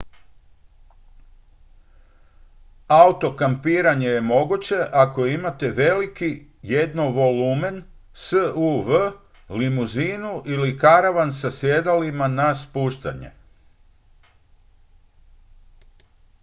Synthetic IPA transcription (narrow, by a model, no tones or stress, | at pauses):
aut̪o̞kampiːɾaɲe̞je̞mo̞ɡut͡ɕe̞ʔako̞imat̪e̞ʋe̞liki | jed̪noʋo̞lume̞n | səuʋə | limuziːnuʔilikaɾaʋansasje̞d̪alimanaspuːʃt̪a̰ɲḛ